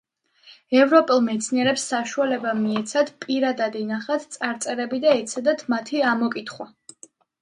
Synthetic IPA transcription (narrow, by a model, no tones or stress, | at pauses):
ɛvɾɔpʼɛlˠmɛt̪sʰniɛɾɛpsːaʃualɛbamiɛt̪sʰad̪pʼiɾad̪ad̪inaχat̪ʰt̪sʼaɾt̪sʼɛɾɛbid̪aɛt̪sʰad̪at̪ʰmat̪ʰiamɔkʼit̪ʰχwa